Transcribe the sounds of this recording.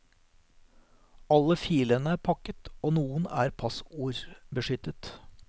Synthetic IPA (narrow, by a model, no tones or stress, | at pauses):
ɑlːəfiːlənəæːɾpʰɑkət̪oːnuːənæ̰ːɾpʰɑsuːɾbəʂʏt̪ət̪